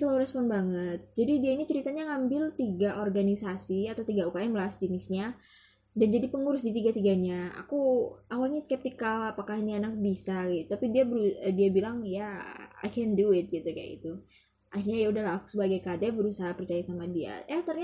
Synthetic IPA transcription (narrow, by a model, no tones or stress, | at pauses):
səlauɾɛspɔnbaŋət̪̚d͡ʒadidiainit͡ʃəɾit̪aɲaŋambɪlt̪iɡaʔorɡanisasiat̪awt̪iɡaukaɛmlaasd͡ʒənɪsɲa | dand͡ʒadipəŋuɾʊs̬dit̪iɡat̪iɡaɲaa̰kuawalɲaskɛp̚t̪ikalapakahnianak̚bisaɡit̪ut̪apidiabəɾuədiabilaŋjaa̰kɛnduɪt̪̚ɡit̪uka̰ḭt̪u | ahiɾɲajaudahlaːku̥səbaɡajkadɛbəɾusaɦapərt͡ʃajasamadia̰jaht̪ərɲa